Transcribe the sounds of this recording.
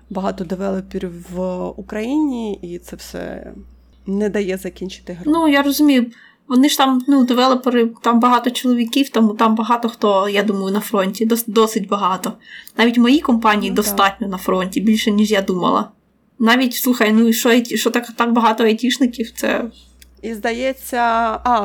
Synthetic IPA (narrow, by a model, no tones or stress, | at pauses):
bɐɦɑt̪ɔd̪eʋɛlˠɐpʲiɾʲʋukɾɐjinʲiit̪sɛfwsɛ̰ | nɛd̪ɐjɛzɐkʲinʲt͡ʃɪ̥t̪ɪnujarɔzʊmʲijʊ | ʋɔnɪʃt̪ɑmnud̪ɪʋɛlˠɪpɪɾɪt̪ɑmbɐɦɑt̪ɔt͡ʃɔlˠɔʋʲikʲiwt̪ɐmut̪ɑmbɐɦɑt̪ɔxt̪ɔjad̪umɐjʊnɐfɾɔnʲtʲid̪ɔsd̪ɔsɪtʲbɐɦɑt̪ɔnɑʋʲitʲmɔjikɔmpɑnʲijid̪ɔst̪ɑtʲnʲɔnɐfɾɔnʲtʲibʲilʲʃɛnʲiʒjad̪umɐ̰lˠɐ̰ | nɑʋʲitʲslˠuxɐjnuiʃt͡ʃɔɐjtʲiʃɔt̪ɐkat̪ɑk̚bɐɦɑt̪ɔɐjtʲiʃnɪkʲiwt̪sɛ̰ | izd̪ɐjɛt͡sʲːɐɑ